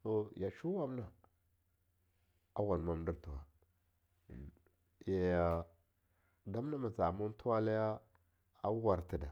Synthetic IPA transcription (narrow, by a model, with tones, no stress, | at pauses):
to˨ja˨ʃu˦wa˦m˦na˨ | a̰˦wa˨n˨ma˦m˦di˦ɾtu˨wa˨ | ja˨ja˨ | da˦m˦na˦ma˨t͡sa˨mu˦n˦tʰu˦wa˦la˦ja˦ | a˦wa˨ɾti˨da˨